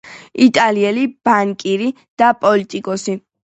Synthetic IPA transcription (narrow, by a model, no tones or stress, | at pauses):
it̪ʼaliɛlib̥aŋkʼiɾi | d̪̥apʼɔlit̪ʼikʼɔsi